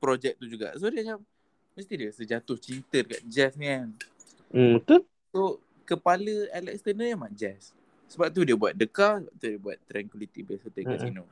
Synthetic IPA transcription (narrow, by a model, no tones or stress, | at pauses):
pɾod͡ʒɛk̚t̪ud͡ʒuɡa̰ʔsodiat͡ʃam | məst̪idiəsəd͡ʒat̪ʊht͡ʃint̪ədəka̰ʔd͡ʒɛsŋan̩ | ək̪on | so | kəpaləɛlɛk̚st̪ənəɲamaʔd͡ʒɛs | səbap̚t̪̬udiəbuat̪̚dəkasəbap̚t̪udiəbua̰t̪ːɾɛŋkwilit̪ibasət̪əkasino